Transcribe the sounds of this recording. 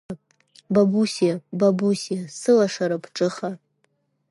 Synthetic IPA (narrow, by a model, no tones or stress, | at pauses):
babusijababusijasɨlaʂaɾapʰʈ͡ʂʼɨχa